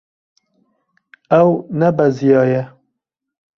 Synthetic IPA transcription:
ɛwnɛbɛzijɑːjɛ

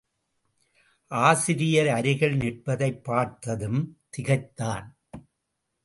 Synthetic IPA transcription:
ʔaːsɪɾɪjɐɾɐɾɪɣɐɭnɪʈ̚pɐðɐɪpːaːɾt̪ɐðɯmt̪ɪɣɐɪt̪ːaːn

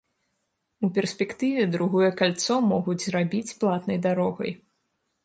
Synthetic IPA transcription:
upʲɛrsʲpʲɛkt̪ɨvʲɛd̪ɾuɣɔjɛkalʲt̪sɔmɔɣud͡zʲzrabʲit͡sʲplˠat̪nɐjd̪aɾɔɣɐ̰j

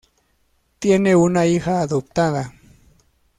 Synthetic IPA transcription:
t̪jeneunaixaːðop̚t̪aða

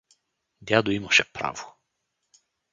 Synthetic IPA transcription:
d̪ʲad̪oimɐʃɛpɾa̰vo

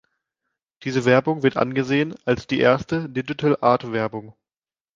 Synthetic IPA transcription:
d̥iːzəvɛɐbʊŋvɪɐtʔa̰nɡəzeːənalsd̥iːʔḛːɐstədɪd͡ʒɪtʰəlʔaːɐtv̥ɛɐbʊŋ

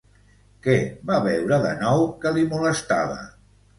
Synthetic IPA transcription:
kɛβaβɛwɾəðə̰nɔwkəlimuləst̪aβə̰

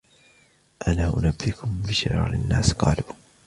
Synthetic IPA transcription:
ʔanaːʔʊ̰nabːɪkʊmbɪʃɪ̰ɾɑ̰ːɾɪnːaːsqɑːluː

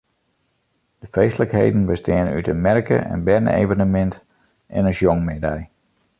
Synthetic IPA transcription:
d̥əfreːstələkhejdn̩bəstɪəny̰tənmɛrkə̰ʔɛ̰nbɛrdnə̰ḛvənəmɛnt | ʔɛ̰nəʃjɔŋmedɛj

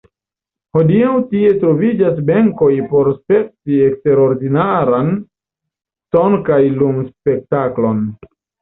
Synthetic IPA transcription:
ho̞diawtie̞tɾo̞vid͡ʒas̬beŋko̞jpo̞ɾspe̞p̚tie̞kste̞ɾo̞ɾdinaɾan | to̞nkajlumspe̞k̚taklo̞n

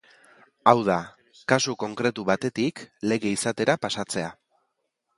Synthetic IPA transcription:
awð̞a | kasuko̞ŋkɾe̞t̪uβat̪e̞t̪ikle̞ɣe̞isat̪e̞ɾapasat͡se̞a

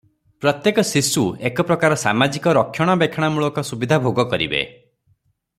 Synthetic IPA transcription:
pɾɔt̪jekɔsisuekɔpɾɔkaɾɔsa̰mad͡ʒikɔɾɔkʰjɔɽ̃ɔbekʰjɔɽ̃amuɭɔkɔsubid̪ʱabʱoɡɔkɔɾḭbḛ

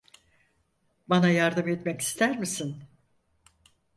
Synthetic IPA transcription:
banajaɾd̪ɯmɛt̪mɛci̥st̪ʰæɾmisin

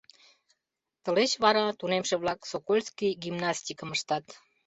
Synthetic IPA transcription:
t̪ə̆let͡ɕβɑɾɑt̪unemʃeβlɑksokolʲskijɡimnɑsʲt̪ʲikəməʃt̪ɑt̪

